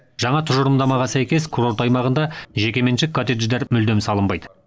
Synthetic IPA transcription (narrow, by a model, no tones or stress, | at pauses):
ʒ̥ɑɴɑt̪ʰʊʒʊɾəmd̪ɑmɑʁɑsæjkʲe̞skʰuɾo̞ɾt̪ɑjmɑʁənd̪ɑʒe̞kʲe̞me̞nʃɪkʰːot̪ed̪ʒd̪eɾmʏld̪e̞msɑlˠəmbɑjd̪ə